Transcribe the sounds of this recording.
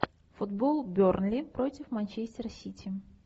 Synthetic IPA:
fʊd̪bolˠbʲornlʲɪpɾotʲɪfmanʲt͡ɕesʲtʲɪɾəsʲitʲɪ

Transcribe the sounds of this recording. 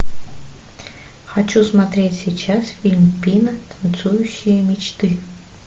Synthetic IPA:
xɐt͡ɕusmat̪ɾʲetʲsʲijt͡ɕasfʲilʲmʲpʲinət̪ə̥nt̪sujʊɕːɪjəmʲit͡ɕt̪ɨ

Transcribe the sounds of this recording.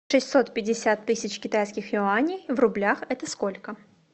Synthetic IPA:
ʂɨsʲtʲso̞t̪pʲɪdʲɪsʲat̪ːɨsʲɪt͡ɕkʲɪt̪ajskʲɪxjʊanʲɪjvrʊblʲaxɛt̪əsko̞lʲkə

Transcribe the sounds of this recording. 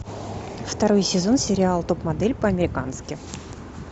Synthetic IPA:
ft̪ɐɾo̞jsʲɪzo̞nsʲɪɾʲɪalˠt̪o̞pmɐd̪ɛlʲpəɐmʲɪɾʲɪkanskʲɪ

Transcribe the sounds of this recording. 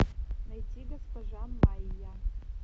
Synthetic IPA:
nɐjtʲiɡɐspɐʒamaija

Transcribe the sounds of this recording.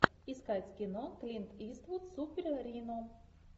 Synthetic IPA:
iskat͡sʲkʲɪnoklʲint̪ist̪vut̪supʲɪɾʲɾʲino

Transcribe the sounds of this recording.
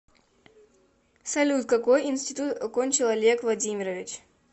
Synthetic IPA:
sɐlʲut̪̚kɐkojɪnsʲtʲɪt̪ut̪ɐkonʲt͡ɕɪlˠɐlʲekvlˠɐdʲimʲɪɾəvʲɪt͡ɕ

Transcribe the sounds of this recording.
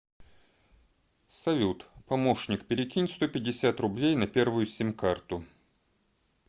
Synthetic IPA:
sɐvʲut̪pɐmo̞ʂnʲɪk̚pʲɪɾʲɪkʲinʲɪt̪st̪o̞pʲɪdʲɪsʲat̪rʊblʲejnɐpʲe̞rvʊjʊsʲemʲkart̪ʊ

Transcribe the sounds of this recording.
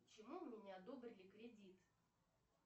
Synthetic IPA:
t͡ɕɪmummʲɪnʲɪɐd̪obɾʲɪlʲɪkɾʲɪdʲit̪

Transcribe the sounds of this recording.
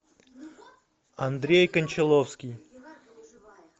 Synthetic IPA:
ɐnd̪ɾʲejkənʲt͡ɕɪlˠofskʲij

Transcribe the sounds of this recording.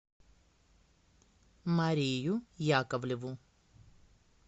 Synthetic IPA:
maɾiːjujaːkɐʋleʋu

